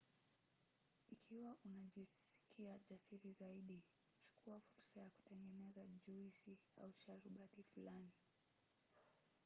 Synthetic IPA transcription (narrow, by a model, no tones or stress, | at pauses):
ikʰiwaʔunaʄis | i̥kʰiaʄasiɾizaiɗi | ku̥t͡ʃu̥kʰuafuɾsajaku̥tɛŋɡɛnɛzaʄuisia̰uʃaɾuɓatifulani